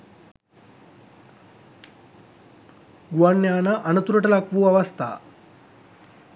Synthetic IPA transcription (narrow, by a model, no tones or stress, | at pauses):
ɡʋɐnːjaːnɐʔɐnɐt̪uɾɐʈɐlɐkʋuɐʋɐst̪ʰa̰